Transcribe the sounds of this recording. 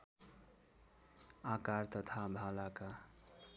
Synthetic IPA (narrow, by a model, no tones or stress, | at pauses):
akart̪ʌt̪ʰabʱalaka